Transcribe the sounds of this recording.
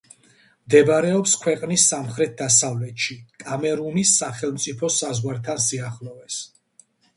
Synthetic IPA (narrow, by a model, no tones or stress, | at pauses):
md̪ɛbaɾɛɔpskʰwɛqʼnisːamχɾɛt̪̚d̪asavlɛt̪ʃikʼamɛɾunisːaχɛlˠmt̪sʼipʰɔsazʁwaɾt̪ʰansiaχlɔvɛs